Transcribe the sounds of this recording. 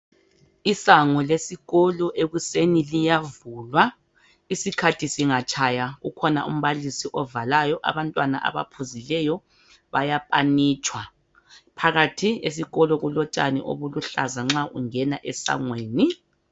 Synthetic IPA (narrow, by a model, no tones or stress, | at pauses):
isaŋɔlesiɣɔlɔʔeɣusenilijavulwa | isikʰatʰisiŋat͡ʃʼʰajaɣukʰɔna̰ʔṵm̩βalisiʔɔvalajɔʔa̰βantʼwana̰ʔa̰βa̰pʰuzilɛjɔ | βajapʼaniːt͡ʃʼwa | pʰaɣatʰies̬iɣɔlɔɣulɔt͡ʃʼanḭʔo̰βuluɬazaŋ͡ǁaʔuŋɛnaʔɛsa̰ŋweːni